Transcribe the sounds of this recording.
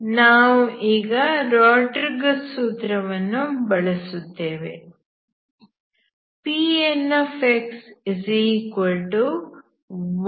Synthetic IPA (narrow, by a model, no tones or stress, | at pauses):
naːʋuʔiːɡɐɾaːʈɐɾɡɐsuːt̪ɾɐʋɐnːubɐɭɐsut̪ːeːʋḛ | piːenːɐfeksisikɐlʈu | ʋ